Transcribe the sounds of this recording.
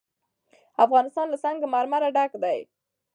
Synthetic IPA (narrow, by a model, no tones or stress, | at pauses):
afɣɑnɪst̪ɑnlasaŋɡamaɾmaɾaɖakd̪aj